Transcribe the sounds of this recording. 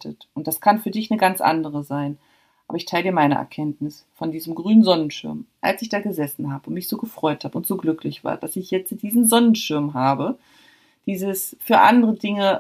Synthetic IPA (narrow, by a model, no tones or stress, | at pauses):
tʰə̰tʔʊnt̚d̥askʰanfyːɐdɪçnəɡant͡sʔa̰ndəʁəzaɪn | ʔaːbɐɪçtʰaɪlədiːɐmaɪnə̰ʔɛ̰ɐkʰɛntnɪsfɔndiːzəmɡʁyːnənzɔnənʃɪɐmʔa̰lsɪçd̥aːɡəzɛsn̩ɦaːbəʊntmɪçz̥oːɡəfʁ̥ɔʏthaːbəʊntz̥oːɡlʏklɪçv̥a̰ːɐd̥asɪçjɛt͡std̥iːzn̩zɔnən̩ʃɪɐmɦaːbə | d̥iːzəsfyːɐʔa̰ndəʁədɪŋə